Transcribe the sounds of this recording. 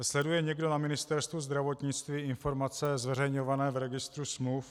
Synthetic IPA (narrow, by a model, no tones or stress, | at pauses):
slɛdujɛɲɛɡdo̞namɪnɪst̪ɛɾst̪vuzd̪ɾavo̞t̪ɲɪt͡st̪viːɪnfo̞ɾmat͡sɛzvɛrɛjɲovanɛːvɾɛɡɪst̪ɾusmluwf